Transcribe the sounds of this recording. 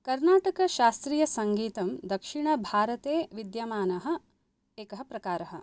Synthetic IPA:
kɐɾnaːʈɐkɐʃaːst̪ɾiːjɐsɐŋɡiːt̪ɐmd̪ɐkʂiɳ̃ɐbʱaːɾɐt̪eːʋid̪jamaːnɐɦɐ̆ | eːkɐɦɐpɾɐkaːɾɐɦɐ̰̆

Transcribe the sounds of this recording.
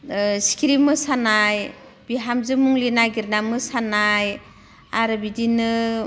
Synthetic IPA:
skʰiɾimɯsanaj | b̥iɦamzɯmuŋlinajɡiɾnamɯsanaj | aɾɯbidinɯ

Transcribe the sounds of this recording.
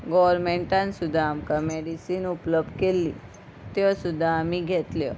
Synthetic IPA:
ɡɔʋɾmeɳʈãnsud̪ʱaːmkãmeɽisiːnupləb̚d̪kelːi | t̪jõsud̪ʱaːmiɡʱet̪ljo̰

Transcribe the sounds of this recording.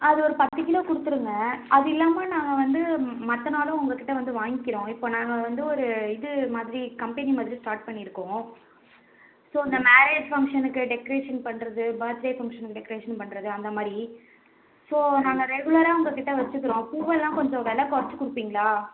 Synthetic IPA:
ɐðɯɔɾɯpɐt̪ːɯkːɪlõːkʊɽɯt̪ːɯɾɯŋɡɐɐðɯɪlːaːmɐnaːŋɡɐʋɐnd̪ɯmɐt̪ːɐnaːlʊ̃ʊŋɡɐkːɪʈːɐʋɐnd̪ɯʋaːŋɡɪkːɪɾõːɪpːoːnaːŋɡɐʋɐnd̪ɯɔɾɯɪðɯmaːðɪɾikɐmpɛnimaːðɪɾisʈaːɾʈ̚pɐɳːɪɪɾɯkːõː | soːɪnd̪ɐmaːɾeːd͡ʒfɐŋkʂɐnɯkːɯɖɛkɔɾeːʂɐnpɐɳːɾɐðɯbaːɾt̪leːfɐŋkʂɐnɯkːɯɖɛkːɐɾeːʂɐnpɐɳːɾɐðɯɐnd̪ɐmaːðɾi | soːnaːŋɡɐɾɛɣɯɭɐɾaːʊŋɡɐkɪʈːɐʋɐt͡ʃːɯkːɪɾõːpuːʋɐlːãːkɔɲd͡ʒɔ̃ʋɛlɐkːɔɾɐt͡ʃːɯkʊɽɯpːiːŋɡɐɭaː

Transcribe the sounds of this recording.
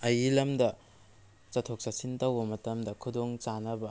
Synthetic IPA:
ɐjilɐmdɐ | t͡ʃɐtʰok̚sasintɐwbɐmɐtɐmdɐkʰudoŋt͡ʃanɐbɐ

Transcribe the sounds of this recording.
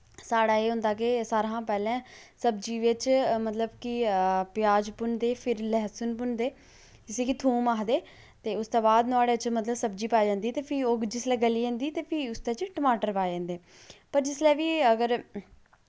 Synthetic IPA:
saːɽaːeːɦʊ̃nd̪aːkesaːɾãːpɛːlɛ̃ːsəbd͡ʒiːʋɪt͡ʃmət̪ləbkɪpɪjaːd͡ʒpʊnd̪eːpʰɪɾlɛːsʊnp̬ʊnd̪eː | ɪseːkit̪ʰuːmaːɦd̪eː | t̪eːʊst̪oːbaːd̪nʊaːɽeːt͡ʃmət̪ləbsəb̚d͡ʒiːpaːd͡ʒãːnd̪iːt̪eːpʰiːoːd͡ʒɪslɛːɡəliːə̃ːnd̪iːt̪eːpʰiːʊst̪eːt͡ʃʈəmaːʈəɾpaːd͡ʒãːnd̪eː | pəɾd͡ʒɪslɛːʋiːəɡəɾ

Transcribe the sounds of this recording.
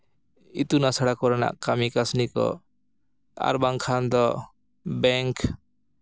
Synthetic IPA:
it̪unasaɽakɔɾana̰ʔkamikasnikɔ̰ | a̰ɾbaŋkʰand̪ɔ | bɛŋk

